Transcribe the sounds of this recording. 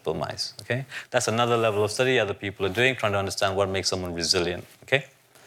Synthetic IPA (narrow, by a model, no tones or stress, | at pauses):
pəma̰ɪz̥okʰed̪̥ætsənʌðəlɛvəlɔv̥stʌɾiʌd̪əpiːpəlˠaduɪ̃ŋtʰɹ̥aɪ̃tuʌ̃ndə˞stæ̃ndwɔt̚meɪksːʌ̃mwʌ̃nɹɪzɪljə̃ntokʰe